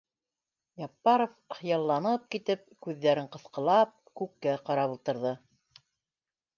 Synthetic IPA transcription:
jɑpːɑɾofχɤ̆jɑlˠːɑnɤp̚kit̪ɘp̚kʉðːæɾɘɴqɤ̆θqɤ̆lˠɑp̚kʉkːæqɑɾɑβŭlˠt̪ɤ̆ɾðɤ

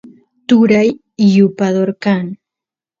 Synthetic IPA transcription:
t̪ʊɾaj | ɪjʊpaðoɾkaŋ

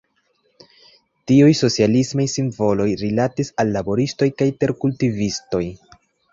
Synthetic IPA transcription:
tiujso̞t͡sialismajsiɱvo̞lo̞jɾilatisalːabo̞ɾisto̞jkajte̞ɾkultivisto̞j

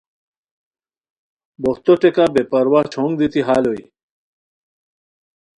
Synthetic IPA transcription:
boht̪oʈekabepɐɾwat͡ɕʰõːŋɡd̪it̪iɦaːloḭ

